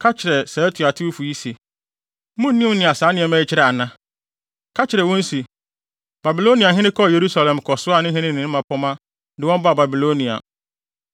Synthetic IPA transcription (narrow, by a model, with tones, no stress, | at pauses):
kʰa˦t͡ɕʰɪ˨ɾɛ˨sa˨˦tʰu˨a˨tʰɪ˦u˦fu˨ji˦se˨˦ | mũ˦n˦nĩ˦m˦nɪ̃˨a˨saː˨˦nɪ̃˦ɛ˨mɛ˦ɪ˦t͡ɕʰɪ˦ɾɛ˨a˨nã˦ | kʰa˦t͡ɕʰɪ˨ɾɛ˨wɔ̃˦n˦si˨ | b̥a˨bi˨lo˦nĩ˨a˨ɦɪ̃˦nɪ̃˦kʰɔ˦˨je˨ɾu˦sa˨lɛ̃˨mkʰɔ˨sʊ˦a˦˨nɪ̃˦ɦɪ̃˦nɪ̃˦˨ɪ̃˨ñ˦mã˨pʰɔ˦mã˦ | dɪ˨wɔ̃˦m˦bʊ˦a˨ba˨bi˨lo˦nĩ˨a̰˨